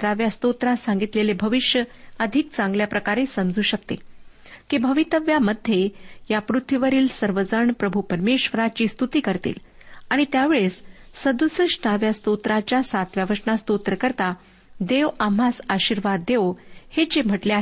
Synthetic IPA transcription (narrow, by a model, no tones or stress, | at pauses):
ɾaʋjast̪ot̪ɾasãŋɡit̪lelebʱəʋiɕjəəd̪ʱik̚t͡sãŋɡljapɾəkaɾesəmd͡zʱuːɕək̚t̪ḭ | kibʱəʋit̪əʋjaməd̪ʱjejapɾut̪ʰːʋiʋəɾiːlsəɾʋəd͡zəɳpɾəbʱupəɾmeɕʋəɾat͡ɕiːst̪ut̪iːkəɾt̪ḭːl | aɽ̃it̪jaʋeɭessəd̪usəɕnaʋjast̪ot̪ɾat͡ɕjasat̪ʋjaʋəsnast̪ot̪ɾəkəɾt̪a | d̪eʋam̤asaɕiɾʋad̪ːeohet͡ɕem̤əʈlea